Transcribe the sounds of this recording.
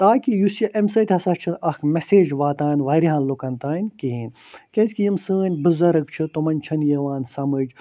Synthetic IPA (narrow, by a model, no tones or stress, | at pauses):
t̪aːkijusjɐʔemsɐt̪ʲhɐsɐt͡ʃʰɨnɐkʰmeseːd͡ʒʋaːt̪aːnʋɐːɾiɦɐnlukɐnt̪aːnʲkiɦiːnʲkʲɐnsʲkijimsəːnʲbɨzɐɾɨk̚t͡ʃʰɨt̪umɐnʲt͡ʃʰɐnjeʋaːnsɐmɨd͡ʒ